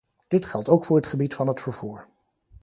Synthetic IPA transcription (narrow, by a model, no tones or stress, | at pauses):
d̥ɪtχɛlˠtowkfʊːɹɦətχəbitfɑnɦətfəɹv̥uːɹ